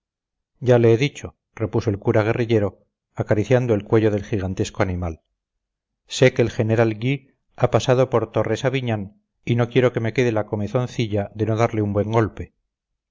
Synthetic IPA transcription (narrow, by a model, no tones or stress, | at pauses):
ɟ͡ʝale̞eðit͡ʃo̞ | re̞puso̞e̞lkuɾaɣ̞e̞riʎe̞ɾo̞ | akaɾiθjand̪oe̞lkwe̞ʝo̞ðe̞lxiɣ̞ant̪e̞skoanimal | se̞ke̞ːlxe̞ne̞ɾalɡi | apasað̞o̞po̞ɾt̪o̞re̞saβiɲan | inokje̞ɾo̞ke̞me̞ke̞ð̞elako̞meθo̞nθiʎaðe̞no̞ðaɾleumbwe̞ŋɡo̞lpe̞